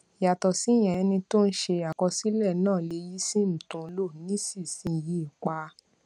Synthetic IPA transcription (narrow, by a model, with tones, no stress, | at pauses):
ja˨tɔ˨si˨˦j̃ɛ̃˨ɛ˧nĩ˧to˦n̩˦ʃe˧a˨kɔ˧si˦lɛ˦˨nãː˦˨le˧ji˦si˦m̩̃˨tũ˧˦lo˦˨nĩ˦si˦˨sĩ˧˨ji˦i˨k͡pa˧˦